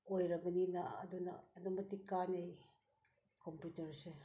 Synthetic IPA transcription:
ojɾɐbɐninɐ̰ːduna̰ːdumɐtikanej | kʰompjutɐɾse

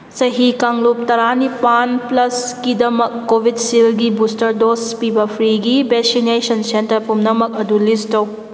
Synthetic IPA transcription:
sɐɦikaŋlup̚tɐɾanipanplɐskidɐmɐkːobʱidsilɡibustɐɾdospibɐpʰɾiɡibeksinesɐnsentɐɾpumnɐmɐk̚ɐdulistow

